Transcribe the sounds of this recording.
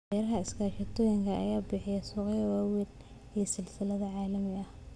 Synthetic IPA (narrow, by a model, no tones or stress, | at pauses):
d̪ɛːɾɐɦɐɪskʰaːʃɐt̪ʰɔːjɪŋkʰɐʔɐ̰jaːbɪħɪjɐsuːqjɐwaːwɪl | iɐsɪlsɪlɐðɐʕɑːlɐmɪɐh